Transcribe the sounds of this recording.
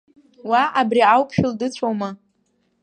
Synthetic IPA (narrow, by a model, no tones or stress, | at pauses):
waabriawpʰʃᶣʊldɨt͡ɕʷʰoma